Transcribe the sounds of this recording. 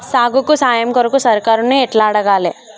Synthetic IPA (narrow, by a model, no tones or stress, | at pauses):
saːɡukosaːjəmkɐɾokosɐɾkaːɾʊneeʈlaːɽɐɡaːle